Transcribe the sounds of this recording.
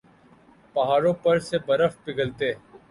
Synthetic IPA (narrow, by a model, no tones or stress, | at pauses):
pɐɦaːɾõːpəɾsebəɾəfpɪɡəlt̪eː